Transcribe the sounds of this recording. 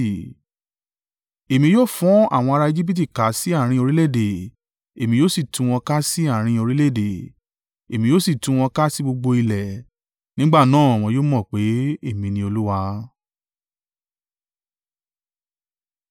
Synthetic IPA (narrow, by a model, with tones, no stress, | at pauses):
e˨mĩ˧joː˦fũ˨˦a̰˦˨w̃ɔ̃˧a˧ɾa˧e˧d͡ʒi˦p̬i˦t̬i˦˨ka˨˦si˦a˦˨ɾ̃ĩ˧o˧ɾi˦le˦˨de˨ | e˨mĩ˧joː˦si˦˨tũ˨˧w̃ɔ̃˧ka˦si˦a˦˨ɾ̃ĩ˧o˧ɾi˦le˦˨de˨ | e˨mĩ˧joː˦si˦˨tũ˧˦w̃ɔ̃˧ka˦si˦ɡ͡bo˧ɡ͡bo˧i˧lɛ˨ | nĩ˦ɡ͡ba˦˨nãː˦˨w̃ɔ̃˧joː˦mɔ̃˦˨k͡pe˨˦e˦˨mĩ˧nĩ˧o˧lu˦wa˧